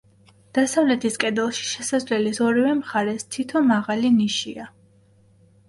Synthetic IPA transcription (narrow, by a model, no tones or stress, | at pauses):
d̪̥asavlɛt̪ʰiskʼɛd̪ɛlˠʃi̥ʃɛsazlɛlisɔɾivɛmχaɾɛst̪ʰit̪ʰɔnmaʁaliniʃḭa